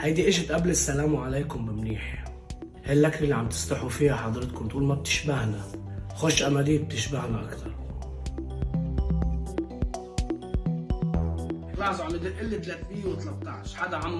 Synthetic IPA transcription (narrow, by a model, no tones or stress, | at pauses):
hajd̪iʔɪʒɪt̪ʔablɪsːalaːmuʕaleːkʊmbɪmniːħ | halːakɾɪlːiʕamt̪ɪ̥sˤt̪ɑħufiːhaħɑd̪ˤɾˤɨt̪̚kʊmt̪ʔuːlmab̚t̪ɪ̥ʃbahnaxoʃːʔamad̪iːb̚t̪ɪʃbahnaʔa̰kt̪ʰɑɾˤ | lɑħzˤɑʕmɪd̪ɪlʔɪlːit̪leːt̪mɪjːewt̪alat̪ːɑʕʃħad̪aʕamː